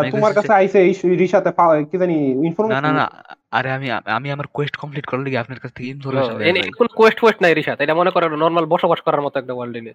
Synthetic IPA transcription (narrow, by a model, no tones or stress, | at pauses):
aɾt̪umaɾkaeajsʰeejɾiʃat̪efakid͡ʑaniinfoɾmenanana̰a̰ɾeamia̰a̰miamaɾkwesʈkɔmpliʈkɔɾaliɡiapʰneɾkat͡sʰt̪ʰːekemd̪ʱoɾʃabeenekonokesʈkesʈnajɾiʃaaejʈamonekɔɾenɔɾmalbɔʃobaʃkɔɾaɾmɔt̪oɛk̚ʈawalɖini